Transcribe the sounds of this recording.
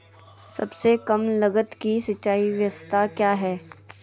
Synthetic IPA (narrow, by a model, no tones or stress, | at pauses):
sɐbsekɐmlɐɡət̪kisɐt͡ʃːaːiʋjəst̪ʰakjaːɦɛː